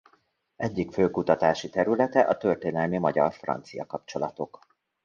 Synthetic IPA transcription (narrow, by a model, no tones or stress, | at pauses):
ɛɟːikføːkut̪ɒt̪aːʃit̪ɛɾylɛt̪ɛʔɒt̪ø̞rt̪eːnɛlmimɒɟɒrfrɒ̰nt̪sijɒkɒpt͡ʃo̞lɒt̪o̞k